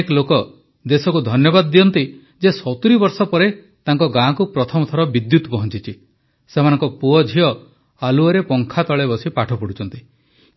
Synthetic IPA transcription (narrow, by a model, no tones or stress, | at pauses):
eklokɔ | d̪esɔkud̪ʱɔnjɔbad̪ɔːijɔnt̪i | d͡ʒesɔt̪uɾibɔɾsɔpɔɾe | t̪aŋkɔɡãkupɾɔt̪ʰɔmɔt̪ʰɔɾɔbid̪jut̪pɔɦɔnt͡ʃit͡ʃʰi | semanɔ̃ŋkɔpuɔd͡ʒʱiɔ | aluɔɾepɔŋkʰat̪ɔɭebɔsipaʈʰɔpɔɽut͡ʃɔnt̪i